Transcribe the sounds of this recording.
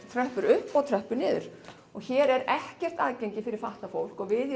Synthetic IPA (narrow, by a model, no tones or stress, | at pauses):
t̪ʰɾœhpʏɾʏhpːɔɣt̪ʰɾœhpʏnɪːðʏɾ̥ | ɔɣçɛːɾɛɾɛhcɛr̥t̪aðcejɲcɪfɪɾɪɾ̥faht̪afowl̥kɔɣvɪð